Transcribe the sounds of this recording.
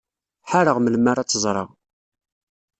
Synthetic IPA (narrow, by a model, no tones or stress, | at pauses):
ħaɾəʁməlmaɾat͡sːəzˤɾˤə̰ʁ